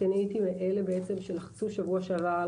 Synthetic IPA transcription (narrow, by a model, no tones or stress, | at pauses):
enejt̪imeʔelebeet͡semʃelaχt͡suʃavuaʃaɾa